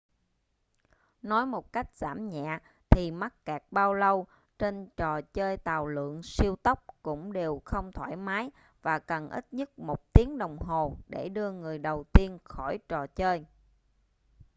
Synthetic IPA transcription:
nɔ˨˦jmo˨˩t̚ka˦˥jk̟̚z̥a̰ː˧˩mɲɛ̰˧˨ | t̪ʰi˨˩ma˦˥k̚kaː˨˩k̚ɓaː˧wlə˧w | t͡ɕe˧nt͡ɕɔ˨˩t͡ɕəː˧jt̪aː˨˩wlɨ̰˧˨əŋsi˧əwt̪ə˦˥wk͡p̚kʊ̰˧˥ŋ͡mɗe˨˩wxə˧wŋ͡mt̪ʰwaː˧˩jmaː˨˦j | vaː˨˩kə˨˩nʔḭ˦˥t̚ɲə˦˥t̚mo˨˩t̚t̪i˨˦əŋɗə˨˩wŋ͡mɦo˨˩ɗe˧˩ɗɨ˧əŋɨ˨˩əjɗə˨˩wt̪i˧ənxɔ˧˩jt͡ɕɔ˨˩t͡ɕəː˧j

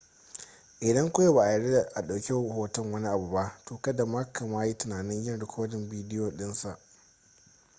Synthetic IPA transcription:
ʔɪ˨dɐ˦ŋkʷʊ˦ja˦baː˨ʔa˨jɐ˨ɽe˦da˨ʔa˨ɗa˨wkʲe˦whoː˦tɐ˦ŋwɐ˦ni˦ʔa˨bu˨ba˦ʔtoː˨kɐ˦da˨ma˦kʰɐ˨maː˦ji˦tʊ˨naː˨nɪ˦ɲjɐ˦nɽɪ˨kʰʷoː˦dɪ˨mbiː˦dɪ˦joː˨ɗɪ˦nsa˨ʔ

